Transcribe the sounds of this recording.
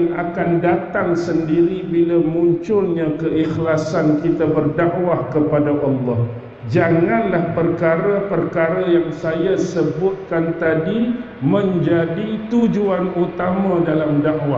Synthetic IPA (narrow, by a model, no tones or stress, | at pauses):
ŋa̰kandat̪aŋsəndiɾibilamuɲt͡ʃʊlɲãkəʔixlasankit̪abərdaʔwahkəpadaʔɑlːɑh | d͡ʒaŋãnlahpərkaɾapərkaɾajaŋsajasəbʊt̪̚kant̪adi | mə̃ɲd͡ʒadit̪ud͡ʒuanut̪amãdalamdaʔwa